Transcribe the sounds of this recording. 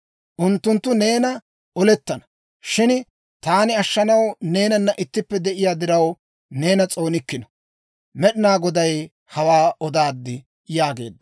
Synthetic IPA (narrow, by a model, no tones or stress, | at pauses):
ʔʊnt̪ːʊnt̪ːʊne̞ːnɐ | ɔlɛt̪ːɐnɐ | ʃɪn | t̪aːnɪɐʃːɐnɐwne̞ːnɐnːɐʔɪt̪ːɪpːɛd̪ɛʔɪjaːd̪ɪɾɐw | ne̞ːnɐt͡sʼo̞ːnɪkːɪnɔ̥ | mɛɗɪnaːɡɔd̪ɐj | hɐwaːɔd̪aːd̪ːɪ | jaːɡe̞̰ːd̪ːɐ̥